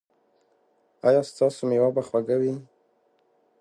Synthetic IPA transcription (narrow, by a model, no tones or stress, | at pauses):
ɑjɑst̪ɑsomewabaxwaɡawi